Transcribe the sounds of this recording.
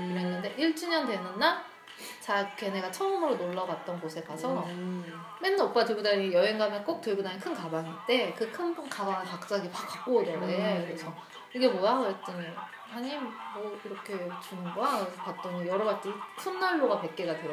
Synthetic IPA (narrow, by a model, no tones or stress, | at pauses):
iɾenːɯnde̞ʔiɭt͡ɕ͈ʰuɲʌndwe̞nɯnːa | t͡ɕake̞ne̞ɡat͡ɕʰʌɯmɯɾonoɭːʌɡat̚t͈ʌnɡosʰe̞kasʰʌ | menop͈atɯɭɡudaɲijʌeŋɡamek͈ok̚t͈ɯɭɡudaɲikʰɯnkabaŋit͈e̞kɯkʰɯnnkabaŋɯpak̚t͡ɕ͈aɡipakʰak͈oiɾʌɡekɯɾesʰʌ | iɡe̞mwʌjaɾet͈ɯɲi | haɲimːʌiɾʌkʰe̞t͡ɕunɯnɡapak̚t͈ʌnijʌɾʌɡaɭt͈isʰunːaɭːoɡape̞k͈e̞ɡadweɾ